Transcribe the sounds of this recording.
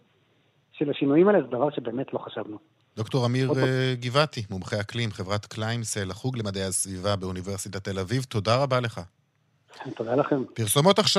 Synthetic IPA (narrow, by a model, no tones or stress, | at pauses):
ʃelaʃinujimalezed̪ɐvaʁʃebe̞ːmetlo̞χaʃavnu | d̥̪o̞kto̞ʁamiʁɡivatimumχejaklimχe̞vʁat̪klajmselaχuɡle̞mad̪ejasvivabeunive̞ʁsit̪at̪e̞lavivto̞daʁabale̞χa | t̪od̪alaχempiʁso̞mo̞t̪aχʃ